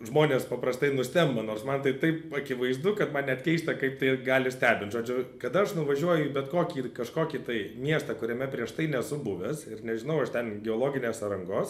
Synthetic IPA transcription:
ʒmoːnʲeːspɐpɾɐst̪ɐɪnʊsʲt̪ʲɛmbɐnoːrsmɐnt̪ɐɪt̪ɐɪpɐkʲɪʋɐɪzd̪ʊkɐt̪mɐnnʲɛt̪ʲkʲɛɪsʲt̪ʲɛkɐɪp̚t̪ɐɪɡɑːlʲɪsʲt̪ʲæːbʲɪnt̪ʒoːd͡ʒʲʊkɐd̪ɐɐʃnʊʋɐʒʲuɔjʊibʲɛt̪koːkʲiːkɐʃkoːkʲiːt̪ɐɪmʲiɛst̪ɐkʊɾʲɛmʲɛpʲɾʲiɛʃt̪ɐɪnʲɛsʊbʊʋʲɛsɪɾnʲɛʒʲɪnɐʊɐʃt̪ʲɛnɡʲɛoːlˠoːɡʲɪnʲeːsɐɾɐŋɡoːs

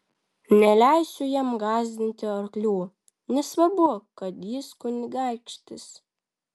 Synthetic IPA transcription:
nʲɛlʲæˑɪsʲʊjiɛmɡɑːzʲd̪ʲɪnʲt̪ʲɪɐɾklʲuː | nʲɛsʋɐbukɐt̪jɪskʊnʲɪɡɑˑɪkʃʲt̪ʲɪs

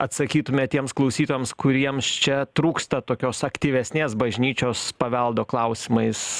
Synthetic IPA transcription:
ɐt̪sɐkʲiːt̪ʊmʲɛt̪ʲiɛmsklˠɐʊsʲiːt̪oːjɛmskʊɾʲiɛmst͡ʃʲɛt̪ɾuːkst̪ɐt̪oːkʲoːsɐkt̪ʲiːʋʲɛsʲnʲeːsbɐʒʲnʲiːt͡ʃʲoːspɐʋʲɛlˠd̪oːklˠɐʊsʲɪmɐɪs

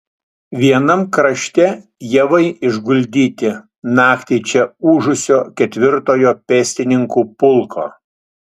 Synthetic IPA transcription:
ʋʲiɛnɐmkɾɐʃʲt̪ʲɛjɛʋɐɪɪʒɡʊlʲd̪ʲiːt̪ʲɪ | nɑːkt̪ʲɛɪt͡ʃʲɛuːʒʊsʲoːkʲɛt̪ʲʋʲɪɾt̪oːjoːpʲɛːsʲt̪ʲɪnʲɪŋkuːpʊlˠkʰo̰ː

